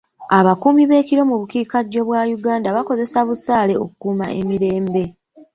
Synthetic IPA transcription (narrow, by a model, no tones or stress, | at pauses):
aβakuːmiβe̞ːciɾo̞muβukiːkaɟːo̞βwajuɡaːndaβako̞ze̞saβusaːle̞o̞̰kukuːma̰ʔe̞miɾe̞ːmbe̞